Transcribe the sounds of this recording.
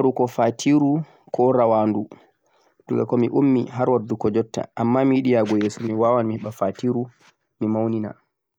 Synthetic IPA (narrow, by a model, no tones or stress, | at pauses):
ɾukɔfatʰiɾu | kɔɾawaːndu | duɡa̰kɔmiʔumːiɦaɾwadːukɔd͡ʒɔtːa̰ʔamːamijiɗijaɡɔjeːsumiwaːwanmihɛɓafatiːɾu | mimawnina̰